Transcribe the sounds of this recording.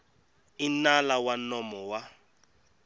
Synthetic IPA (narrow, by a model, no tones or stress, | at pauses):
inalawanɔmɔwa